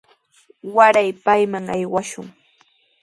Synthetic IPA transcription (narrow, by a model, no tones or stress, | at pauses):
waɾajpajmaŋajwaʃʊŋ